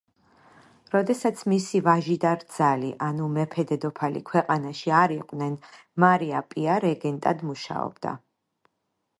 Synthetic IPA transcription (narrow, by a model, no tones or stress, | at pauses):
ɾɔd̪ɛsat̪sʰmisivaʒid̪aɾd̪z̥alḭʔanumɛpʰɛd̪ɛd̪ɔpʰalḭkʰwɛqʼanaʃiaɾiqʼnɛn | maɾiapʼiaɾɛɡɛnt̪ʼad̪muʃa̰ɔ̰b̥d̪a̰